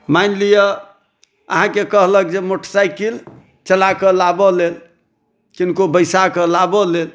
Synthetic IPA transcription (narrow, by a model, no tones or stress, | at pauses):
majnlijə | əɦãkekəɦləkd͡ʒemoʈʰsajkil | t͡ʃəlakəlabɔlel | kinkobəjsakəlabɔlel